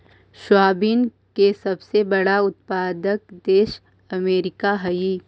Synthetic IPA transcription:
ʃwaːbiːn | kesɐbsebɐɽaʊt̪̚paːd̪ək̚d̪eːʃ | ɐmeːɾɪkaɦɐi

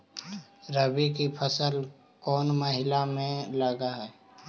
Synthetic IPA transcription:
ɾəbikipʰəsəl | kɔːnməɦɪlamẽləɡaɦɛː

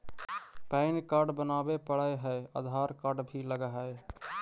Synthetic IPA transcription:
pɛɪnkaɾɖbənaːbepəɽəɦəeə̰d̪ʱaːɾkaɾɖbʱiləɡɦəe

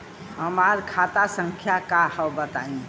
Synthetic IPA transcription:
ɦəmaɾkʰat̪asəŋkʰjakahəbət̪aĩ

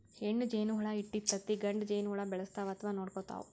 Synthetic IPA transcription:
heɳːud͡ʒeːnuɦɐɭɐiʈːit̪ːɐt̪ːiɡɐɳɖd͡ʒeːjnuɦuɭɐbɛɭɐst̪aːʋɐaːt̪ʰɐʋaːnoːɽkoːt̪a̰ːʋṵ

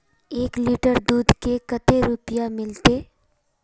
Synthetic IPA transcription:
eːkliːʈəɾd̪uːd̪ʱkekɐt̪eɾʊpijamɪlt̪eː

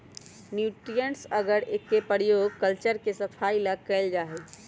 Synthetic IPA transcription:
njuʈɾijənsəɡəɽekːepəɾjoɡ̚kəlt͡ʃəɾkesəpʰailəkɛɪld͡ʒaɦɛ

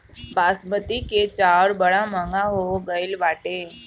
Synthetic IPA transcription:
baːsbət̪iket͡ʃaːɾbəɽamə̃ŋɡaɦoɡəɪlʋaːʈeː

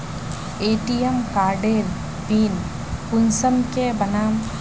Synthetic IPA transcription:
eːʈijemkaːɾɖeːl | biːn | pʊnsəmkebənaːm

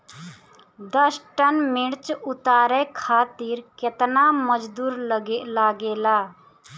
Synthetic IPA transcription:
d̪əsʈənmiɽt͡ʃut̪aːɾɛkʰaːt̪iɾket̪naməd͡ʒd̪uːɾləɡɛʔlaɡeːla

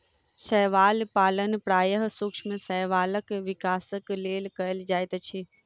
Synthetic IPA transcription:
səɦʋaːlpaːlənpɾaːjəɦsukʃʰmẽsəɦʋaːləkʋikaːsəkleːlkəəld͡ʒaːjt̪t͡ʃʰi

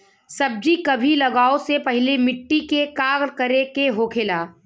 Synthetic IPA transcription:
sɐb̚d͡ʒikɐbʱilɐɡaːosepɐɦlemɪʈːikekaːɡɾkəɾekeɦoːkʰeːlaː

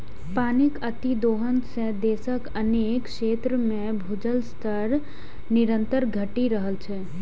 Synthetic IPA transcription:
paːnɪkət̪id̪oːɦənsẽd̪eːsəkəneːkʃeːt̪ɾəmẽbʱʊd͡ʒəlst̪ʰəɾ | nɪɾə̃nt̪əɾɡʱəʈiɾəɦəlt͡ʃʰɛː

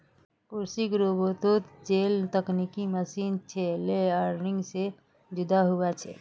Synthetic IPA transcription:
kʊɾsiɡɾobot̪ot̪d͡ʒeːlt̪əknikiməsiːnt͡ʃʰeleaɾnɪ̃ŋɡse | d͡ʒʊd̪aɦuat͡ʃʰɛ̰

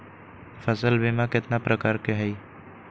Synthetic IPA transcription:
fʰəsəlbemãkɪt̪napɾəkaːɾkeɦəj

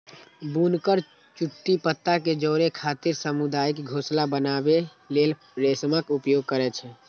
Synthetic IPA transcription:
bunkəɾ | t͡ʃuʈːipət̪ːaked͡ʒɔːɾekʰat̪iɾsəmud̪aːjkɡʱoslabənabe | lel | ɾesməkupjoɡ̚kəɾɛt͡ʃʰɛ

